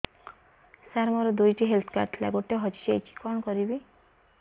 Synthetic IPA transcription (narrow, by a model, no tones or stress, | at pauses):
saɾmɔɾɔd̪ujʈiɦelt̪ʰkaɾʈʰla̰ɡoʈeɦɔt͡ʃi̥t͡ʃiḛt͡ʃʰi̥kɔnkɔɾibi